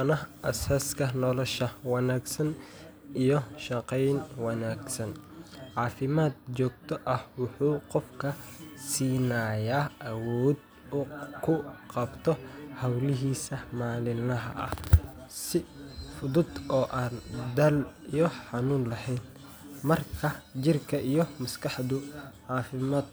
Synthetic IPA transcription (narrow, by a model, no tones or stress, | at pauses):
nɐɦʔɐsaːskʰɐnɔlɔʃɐwɑnaːɡsɐn | ʔijɞʃɑqɛjnwɑnaːɡsɐn | ʕɑːfɪmaːd̪̚t͡ʃɔːɡ̚t̪ʰɔʔɐhwʊħuːqɔfkʰɐsiːnaːjaːʔɐwɔːd̪ | ʊkʰʊqɑbt̪ʰɔhɐwlɪɦiːsɐmaːlɪnɐɦɐ̰ʔɐ̰hsɪfʊðʊd̪ɔːʔaːnd̪ɐlijɔħɑnuːnlɐhɛjn | mɐrkʰɐt͡ʃɪrkʰɐʔijɞmɐskʰɑħd̪ʊʕɑːfɪmaːd̪